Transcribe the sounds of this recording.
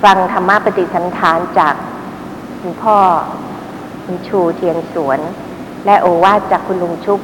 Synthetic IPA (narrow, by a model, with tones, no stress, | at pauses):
fa˧ŋt̪ʰa˧mːa˥˩pa˧t̪i˨˩t̪̚sa˩˦nt̪ʰaː˩˦nt͡ɕaː˨˩k̚ | kʰu˧npʰɔː˥˩ | ʔu˧nt͡ɕʰuː˧t̪ʰi˧əŋsu˩˦ən | lɛ˦˥ʔoː˧˩waː˥˩t̪̚t͡ɕaː˨˩kʰːu˧nlu˧ŋt͡ɕʰu˦˥k̚